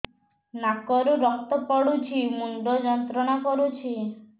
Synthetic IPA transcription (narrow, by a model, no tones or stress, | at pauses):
nakɔɾuɾɔk̚t̪ɔpɔɽut͡ʃʰimuɳɖɔd͡ʒɔnt̪ɾɔnakɔɾut͡ʃʰi